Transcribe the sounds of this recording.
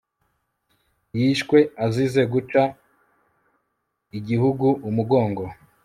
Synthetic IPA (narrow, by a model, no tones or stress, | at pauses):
jiʃkwe̞azize̞ɡut͡ʃa | iɟihuɡuʔumuɡo̞ːŋɡo̞